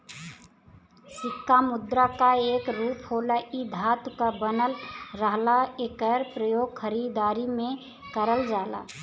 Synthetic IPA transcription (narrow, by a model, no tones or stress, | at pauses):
sɪkːamʊd̪ɾakaeːkɾuːpʰɦolaʔid̪ʱat̪kəbənəlɾəɦlaekəɾpɾəjoːɡ̚kʰəɾid̪aːɾimẽ | kəɾəld͡ʒaːla̰